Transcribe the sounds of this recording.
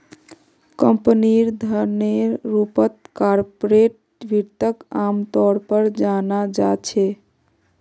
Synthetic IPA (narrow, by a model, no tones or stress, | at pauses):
kəmpniɾd̪ʱəɾneɾːupət̪̚kaɾpoɾeʈ̚ | bʱiɾt̪əkamt̪ɔɾpəɾd͡ʒanad͡ʒat͡ʃʰɛ